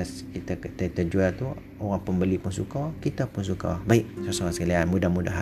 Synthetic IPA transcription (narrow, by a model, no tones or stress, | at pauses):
askit̪akt̪ət̪əd͡ʒuat̪u | oɣaŋpəmbəlipunsukakit̪apʊnsuka̰baik̚sasoasəkalianmudahmudaɦ